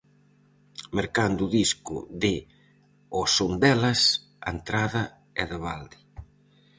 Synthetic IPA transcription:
meɾkand̪uðiskʊ̰ðɪ | osond̪ɛlɐs | a̰nt̪ɾaðɐ | ɛðaβald̪ɪ

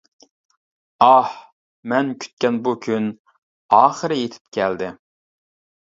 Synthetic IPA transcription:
ɑh | mɛnkʲʰy̥t̪̚kʲɛnbukʲʰyn | ɑːχəɾɪjet̪ʰɪ̥p̚kʲʰɛld̪ɪ

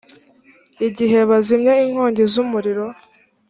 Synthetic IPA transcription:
iɟiɦe̞βazimɲeiŋ̥ho̞ːɲɟezumuɾiɾo̞

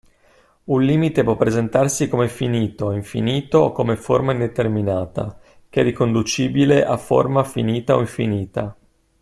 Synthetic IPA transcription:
unlliːmit̪epwɔpːɾezent̪arsikomefiniːt̪oiɱfḭniːt̪ookomeformaind̪et̪erminaːt̪a̰ | keɛd̪ikond̪ut͡ʃiːbileʔafo̰rmafiniːt̪ao̰iɱfiniːt̪a

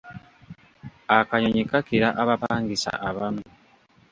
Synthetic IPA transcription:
akaɲoɲikakiɾaʔaβapaːŋɡisa̰ʔaβamu

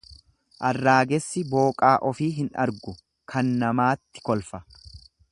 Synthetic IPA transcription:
ʔɐrːaːɡɛsːɪbo̞ːkʼaːʔɔfiːɦɪnɐ̰ɾɡʊ | kʰɐnːɐmaːt̪ːɪ̥kɔlfɐ

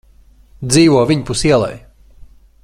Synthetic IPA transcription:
d̪ziːvuɔvʲiɲpusiɛlˠɛ̰j

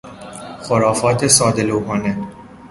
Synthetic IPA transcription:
xoɾɒːfɒːt̪ʰesɒːd̪e̞lowɦɒːne

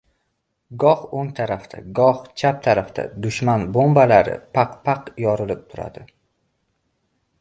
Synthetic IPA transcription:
ɡɒχoŋt̪ʰaɾaft̪ʰa̰ɡɒχt͡ʃʰap̚t̪ʰaɾaft̪a̰d̪ʊʃmanbombalaɾɪ̰pʰaqpʰaqjɒɾɪlɪp̚t̪ʰʊɾa̰d̪̥ɪ

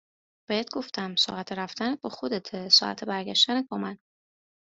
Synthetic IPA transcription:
b̥eet̪̚ɡo̞ft̪ʰæmsɒ̰ːʔæt̪ʰeɾæft̪ænet̪̚bɒxo̞d̪et̪ʰesɒ̰ːʔæ̰t̪ʰebæɾɡæʃt̪ænet̪̚bɒmæn

